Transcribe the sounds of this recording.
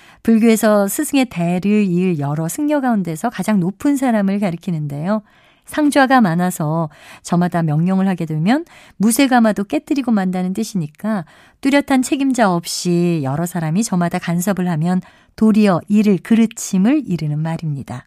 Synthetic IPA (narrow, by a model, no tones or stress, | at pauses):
puɭɡjue̞sʰʌsʰɯsʰɯŋe̞te̞ɾɯiɾjʌɾʌsʰɯŋɲjʌɡaunde̞sʰʌkad͡ʑaŋnopʰɯns̬ʰaɾamɯɭkaɾɯkʰinɯnde̞jo | sʰaŋd͡ʑwaɡamanasʰʌt͡ɕʌmadamjʌŋɲjʌŋɯɭhaɡe̞dwemjʌn | musʰe̞ɡamadok͈e̞t͈ɯɾiɡomandanɯnt͈ɯɕʰiɲik͈a | t͈uɾjʌtʰant͡ɕʰe̞ɡimd͡ʑaʌp̚ɕ͈ijʌɾʌsʰaɾamit͡ɕʌmadakans̬ʰʌbɯɭɦamjʌn | toɾiʌʔiɾɯɭkɯɾɯt͡ɕʰimɯɭiɾɯnɯnmaɾimɲid̥a